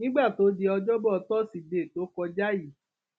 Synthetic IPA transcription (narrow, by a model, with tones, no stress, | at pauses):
nĩ˦ɡ͡ba˦˨to˨˦di˧ɔ˧d͡ʒɔ˦bɔ˦˧tɔ˦˨si˨de˨to˨˦kɔ˧d͡ʒa˦ji˨